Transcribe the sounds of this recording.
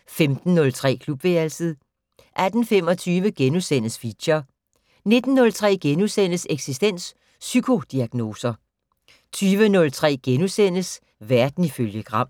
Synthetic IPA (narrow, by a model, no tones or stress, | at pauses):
femd̥n̩ːɔ̽lt͡sʰʁɛ̰ːkʰlub̥ʋeːlsəðˠ | ʔæd̥n̩fem̰ɒ̽t͡sʰyːʋəɡ̥enusen̰əsfiɕɐ | ne̝d̥n̩ːɔ̽lt͡sʰʁɛ̰ːɡ̥enusen̰əseɡ̥sisd̥en̰sː | ykʰo̝d̥iæɡ̥no̝ːsɐ | t͡sʰyːʋənɔ̽lt͡sʰʁɛ̰ːɡ̥enusen̰əs | ʋæɐd̥n̩iføljəɡ̥ʁɑ̈m̰